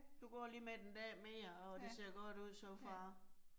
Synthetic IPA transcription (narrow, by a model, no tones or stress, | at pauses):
d̥uɡ̥ɒ̰ːliːmed̥end̥ɛ̰ːmeːɐɒ̽d̥e̝se̝ɐ̰ɡ̥ɒ̽d̥uð̞̰ˠsɒmfʁɑ̈